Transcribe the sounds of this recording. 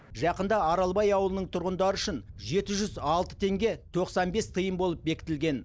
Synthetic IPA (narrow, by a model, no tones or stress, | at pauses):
ʒɑqənd̪ɑɑɾɑlˠbɑjɑwəlˠənəɴt̪ʰʊɾʁənd̪ɑɾəʏʃɪnʒe̞t̪ɪʒʏzɑlˠt̪ə̥t̪ʰe̞ŋɡʲe̞t̪ʰo̞qsɑnbe̞st̪ʰəjəmbo̞lˠəp̚be̞kʲɪ̥t̪ɪlɡʲe̞n